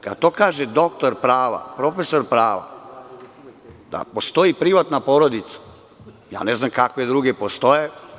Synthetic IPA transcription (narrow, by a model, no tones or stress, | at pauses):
ka̰d̪̚t̪o̞ːkaːʒed̪o̞kt̪oɾpɾaːʋa̰pɾo̞fesoɾpɾaːʋa̰ | d̪̥a̰po̞st̪o̞jipɾiʋat̪napoɾod̪it̪sḁ | ja̰ːneznamkakʋed̪ɾuːɡepost̪o̞je